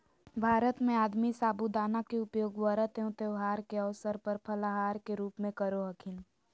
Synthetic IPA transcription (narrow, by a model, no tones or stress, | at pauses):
bʱaːɾət̪mẽaːd̪misaːbud̪aːnakeʊpjoːɡwəɾət̪eõt̪eʋɦaːɾkeəʋsəɾpəɾpʰəlaɦaːɾkeɾuːpmẽkəɾoɦəkʰɪn